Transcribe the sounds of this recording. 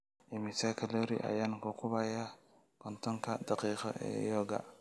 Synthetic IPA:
ʔɪmɪsakʰɐlɔɾḭʔɐ̰jaːnkʊkʰʊβɐjaː | kʰɔnt̪ʰɔŋkʰɐd̪ɑqiːqɔ̰ʔɛ̰ːjɔːɡɐ̰

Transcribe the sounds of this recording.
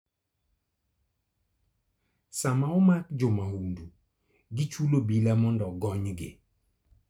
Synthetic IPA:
samaɔmakd͡ʒʊmahundu | ɡɪt͡ʃulobilamɔndɔɡɔɲɡɪ̰

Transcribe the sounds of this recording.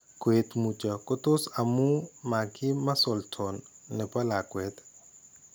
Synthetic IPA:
kwet̪mut͡ʃəkot̪osɐmũmakimɐsolt̪ʰonːepɐlakwet̪

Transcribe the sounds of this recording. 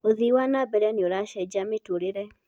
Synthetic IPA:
oðiwanabɛɾanjoɾaʃɛd͡ʒametuoɾeɾɛ

